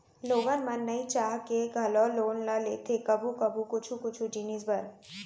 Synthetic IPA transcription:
loːɡənmɐnːɐit͡ʃaːɦkeɡʱɐloloːnlaleːt̪ʰekɐbukɐbukʊt͡ʃʰũkʊt͡ʃʰud͡ʒiniːzbɐɾ

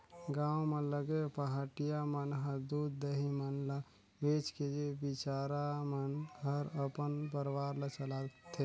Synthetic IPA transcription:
ɡãwmeləɡepəɦaʈijamənɦəd̪ud̪əɦimənla | bet͡ʃked͡ʒebit͡ʃaɾamənɡəɾəpənpəɾwaɾlət͡ʃəlat̪ʰe

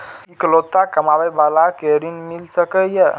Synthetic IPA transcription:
ikəlot̪ːakəmabɛbalakeɾinmilsəkəjə

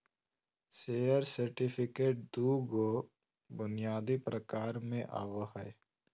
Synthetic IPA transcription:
seːəɾsəɾʈɪpʰɪkeːʈ̚d̪uːɡo | bʊnɪjaːd̪ipɾəkaːɾmẽʔa̰ːʋəɦə

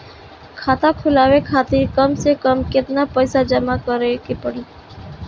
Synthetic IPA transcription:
kʰaːt̪akʰʊlaːʋekʰat̪iɾkəmsekəmket̪napəjsad͡ʒəmakəɾekepəɽe

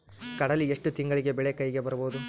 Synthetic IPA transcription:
kɐɽɐlieʂʈut̪iŋɡɐɭiɡe̞bɛɭekɐjɡe̞bɐɾɐboːd̪u

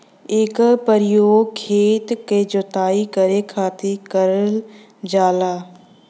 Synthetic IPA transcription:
eːkpəɾɪjoːɡkʰeːt̪ked͡ʒot̪aːikəɾekʰaːt̪ikəɾəl | d͡ʒaːlaː

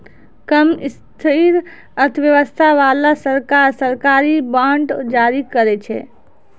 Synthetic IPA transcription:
kəmist̪ʰiɾ | əɾt̪ʰʋjəʋəst̪ʰaʋalasəɾkaɾsəɾkaɾibaɳɖd͡ʒaɾikəɾɛt͡ʃʰɛ̰

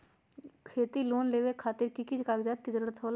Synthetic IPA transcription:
kʰeːt̪iloːnleːʋekʰaːt̪ɪɾkikid͡ʒkaːɡd͡ʒaːt̪̚kɪd͡ʒəɾəɾt̪ʰoːl

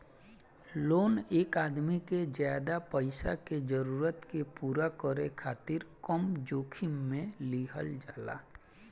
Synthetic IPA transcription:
loːneːkaːd̪mikezjaːd̪apəɪsa̰ked͡ʒəɾuːɾət̪kepuːɾakəɾekʰaːt̪ɪɾkəmd͡ʒoːkʰimːẽliːɦə̰ld͡ʒaːla̰ː

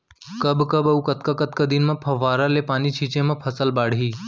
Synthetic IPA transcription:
kəbkəbɐukɐt̪̚kakət̪̚kad̪inmɐ̃pʰɐʋaːɾalepaːnit͡ʃʰiːt͡ʃẽmɐ̃pʰɐsəlbaːɽ̤ɦiː

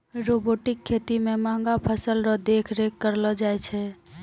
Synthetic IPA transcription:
ɾoboʈikʰːet̪imemãŋɡapʰəsəlɾɔd̪ekʰɾekːəɾlɔd͡ʒajt͡ʃʰɛ

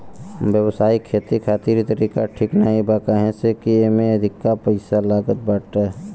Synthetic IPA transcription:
bjəwsaːikʰeːt̪ikʰaːt̪iːɾit̪əɾiːkaʈʰiknaɦibaːkaɦẽsekiemẽəd̪ʱɪkːapəɪsalaːɡət̪̚bəːʈɛ

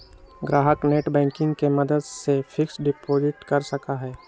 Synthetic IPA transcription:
ɡɾaːɦəkneːʈbɛ̃ːŋkɪ̃ŋɡkemɐd̪əd̪sefʰɪksɖɪpoːd͡ʒɪʈkɐɾsɐkaɦɛː

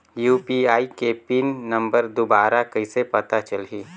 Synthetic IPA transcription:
juːpiaːikepiːnːɐ̃mbəɾd̪obaːɾakɐisepɐt̪at͡ʃəlɦiː

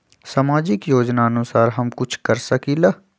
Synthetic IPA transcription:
samaːd͡ʒɪkjoːd͡ʒnaɐnʊsaːɾɦɐmkʊt͡ʃʰkɐɾsɐkila

